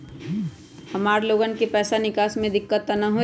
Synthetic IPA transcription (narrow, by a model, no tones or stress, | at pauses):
həmaːɾloːɡənkepɛːsanɪkaːsmẽd̪ɪkːət̪ːənəɦo